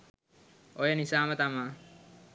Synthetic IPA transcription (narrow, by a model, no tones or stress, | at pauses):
ojenisaːmɐt̪ama